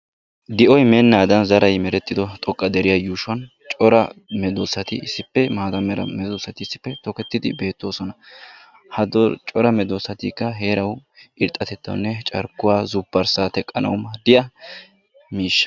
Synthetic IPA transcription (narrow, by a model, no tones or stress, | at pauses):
d̪ɪʔɔjmɛnːaːd̪ɐnzɐɾɐjmɛɾɛt̪ʼːɪd̪ɔt̪ʼɔkʼːɐd̪ɛɾɪjajuːʃwɐn | t͡ʃʼɔɾɐmɛd̪osːɐt̪ɪɪsːɪpːɛmaːd̪ɐmɛɾɐ̰mɛd̪osːɐt̪ɪɪsːɪ̥pːɛt̪ɔkɛt̪ːɪd̪ɪbe̞ːt̪ːo̞ːsɔnɐ | hɐd̪t͡ʃʼɔɾɐmɛd̪oːsːɐt̪ḭːkːɐɦe̞ːɾɐwɪɾt̪ʼːɐt̪ɛt̪ːɐ̰wʊnːɛt͡ʃʼɐɾkːʊwaːzʊbːɐɾsaːt̪ɛkʼːɐnɐ̰wmɐd̪ɪjɐ | miːʃːɐ̥